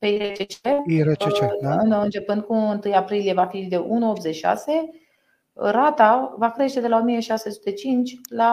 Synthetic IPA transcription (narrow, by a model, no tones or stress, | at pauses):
peiɾet͡ʃet͡ʃeiɾeet͡ʃeɨnɨnt͡ʃe̞pɨnd̪̚kuɨnt̪ɨjapɾilije̞vafid̪e̞ʔunuo̞p̚t̪zet͡ʃiʃa̰se̞ | ɾat̪avakɾe̞ʃt̪e̞d̪e̞lao̞mije̞ʃase̞su̥t̪e̞t͡ʃint͡ʃʲla